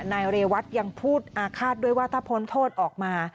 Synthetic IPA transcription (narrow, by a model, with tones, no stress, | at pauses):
naː˧jɾeː˧wa˦˥t̪̚ja˧ŋpʰuː˥˩t̪̚ʔaː˧kʰaː˥˩t̪̚du˥˩əjwaː˥t̪ʰaː˥˩pʰo˦˥nt̪ʰoː˥˩t̪̚ʔɔː˨˩k̚maː˧